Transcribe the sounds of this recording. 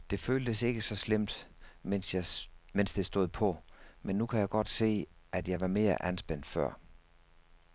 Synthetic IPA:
d̥e̝føːld̥əse̝ɡ̥əsɒ̽slem̰d̥ | men̰sd̥e̝sd̥o̝ð̩̰ˠpʰɒ̽menːukʰæjɑ̈ɪɡ̥ɒ̽d̥se̝̰ːʔæd̥jɑ̈ɪʋɑ̈me̝ːɐʔænsb̥en̰d̥fɶɐ̰

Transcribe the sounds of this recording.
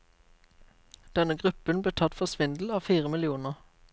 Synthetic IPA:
d̪̥ɛnəɡʁʉpənbleːtʰɑt̪fɔsʋɪnd̪l̩ɑːʋfiːʁəmɪlɪuːnəʁ

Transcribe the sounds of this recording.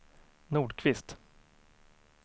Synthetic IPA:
nuːɖkʰvɪst̪

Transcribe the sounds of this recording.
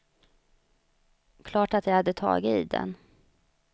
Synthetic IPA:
kʰlɑːʈat̪jajhad̪ːət̪ʰɑ̰ːɡɪiːd̪ɛ̰n

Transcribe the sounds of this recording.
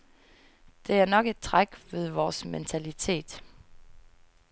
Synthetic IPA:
d̥e̝æɐnɒ̽ɡ̥e̝d̥̚t͡sʰʁaɡ̥ʋe̝ðˠʋɒːsment͡sʰælit͡sʰe̝̰ːd̥

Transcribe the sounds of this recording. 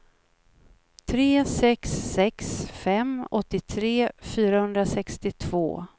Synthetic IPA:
t̪ʰɾeːsɛksːɛksfɛmɔt̪ːɪt̪ʰɾeːfyːɾahɵnd̪ɾasɛkst̪ɪt̪ʰv̥o̰ː

